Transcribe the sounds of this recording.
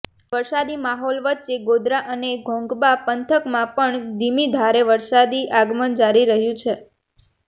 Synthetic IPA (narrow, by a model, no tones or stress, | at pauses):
ʋəɾsad̪imaɦɔlʋət̪ːʃeɡod̪ɾaʔəneɡʱɔ̃ŋɡbapənt̪ʰəkmãpəɳd̪ʱimid̪ʱaɾeʋəɾsad̪iʔaɡmənd͡ʒaɾiɾəɦjũt͡ʃʰe